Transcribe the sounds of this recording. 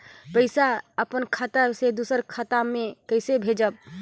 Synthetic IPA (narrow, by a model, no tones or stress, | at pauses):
pəɪsaəpənkʰət̪ased̪usəɾkʰət̪amekəɪsebʱed͡ʒəb̚